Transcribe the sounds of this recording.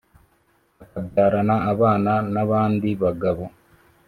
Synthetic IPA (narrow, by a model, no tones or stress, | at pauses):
akadaːɾanaːβaːnanaβaːndiβaɡaβo̞